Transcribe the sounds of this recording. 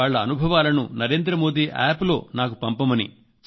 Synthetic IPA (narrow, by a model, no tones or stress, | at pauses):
aːɭːɐːnubʱɐʋaːlɐnṵnɐɾe̞ːnd̪ɾɐmo̞ːd̪iːʔa̰ːplo̞ːnaːk̬upɐmpɐmɐnḭ